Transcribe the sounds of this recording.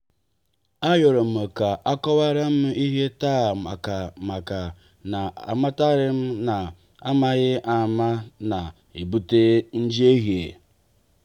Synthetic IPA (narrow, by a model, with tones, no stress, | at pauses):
a˦jɔ˨ɾo˨m̩˨e˨ka˨ʔa˦kɔ˦βa˦ɾa˦m̩˦m̩˦i˦ɦe˦ta˦˨a˨ka˨ma˨ka˨ | na˨a̰˨ma˦ta˦ɾɪ˦m̩˦na˨ | a˦ma˦ɣɪ˦ʔa˨ma˦na˨ | i˨bu˦te˦n̩˦d͡ʒi˦e˦ɦi˨e˨